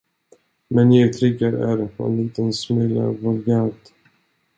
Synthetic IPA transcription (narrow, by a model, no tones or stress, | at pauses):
mɛnjaɡt̪ʰɾɪɡːaɾæ̰ɾpʰɔ̰nliːt̪ənsmʏlːə̰vɔlɡat̪